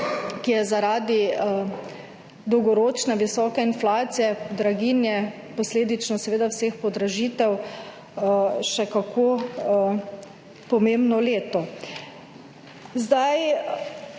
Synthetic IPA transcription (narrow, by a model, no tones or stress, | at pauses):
kijɛzaɾaːd̪i | d̪ɔwɡɔɾoːt͡ʃnɛʋisɔːkɛinflaːt̪sijɛkd̪ɾaɡinjɛ | pɔsleːd̪it͡ʃnɔsɛʋeːd̪awsexpɔd̪ɾaʒiːt̪ɛw | ʃɛkakʰo | pɔmembnɔleːt̪ɔ | zd̪aj